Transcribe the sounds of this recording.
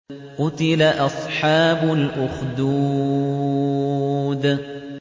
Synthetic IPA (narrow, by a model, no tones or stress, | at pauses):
qʊt̪ɪlaʔɑsˤħɑːbʊlʔʊxd̪uː | d̪